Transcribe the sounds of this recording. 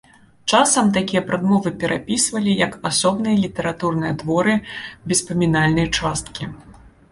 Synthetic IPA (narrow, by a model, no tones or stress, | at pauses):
t͡ʂasɐmt̪akʲijɐpɾad̪mɔvɨpʲɛɾʔapʲisvɐlʲijɐkasɔbnɨjɐlʲit̪ɛɾat̪urnɨjɐd̪vɔɾɨbʲɛspɐmʲinalʲnɐjt͡ʂast̪kʲi